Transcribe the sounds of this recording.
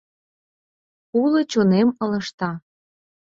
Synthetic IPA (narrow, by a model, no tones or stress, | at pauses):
ulɤ̆t͡ɕonemɤ̆lɤ̆ʃt̪ɑ